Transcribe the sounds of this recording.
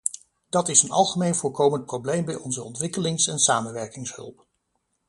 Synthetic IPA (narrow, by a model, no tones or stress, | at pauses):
d̥ɑtɪsənɑ̰lˠχəmejnvʊːɹkowmənt̚prowblejmbɛjʔɔnzəɔ̰ntʋɪkəlɪŋsɛnsaːmənʋɛɹkɪŋsɦɵ̰lˠp